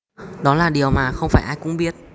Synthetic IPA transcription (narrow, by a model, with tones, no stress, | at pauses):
ɗɔ˨˦laː˨˩ɗi˨˩əwmaː˨˩xə˧wŋ͡mfaː˧˩jʔaː˧jkʊ̰˧˥ŋ͡mɓi˦˥ət̚